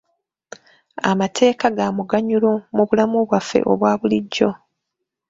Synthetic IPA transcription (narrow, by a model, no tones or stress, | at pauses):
a̰matʰe̞ːkaɡaːmuɡaɲulomuβulamuβwafːe̞̰ʔo̞̰βwaːβuliɟːo̞